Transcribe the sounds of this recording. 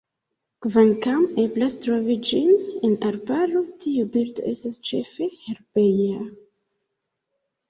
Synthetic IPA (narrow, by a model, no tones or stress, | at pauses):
kvankame̞blastɾo̞vid͡ʒinenaɾbalo̞tʰiubiɾdo̞̰ʔe̞stast͡ʃe̞fe̞heɾbeja